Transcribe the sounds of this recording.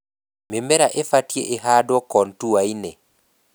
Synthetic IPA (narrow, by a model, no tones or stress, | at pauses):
memɛɾaʔefatjeʔeɦadɔkɔntuwainɛ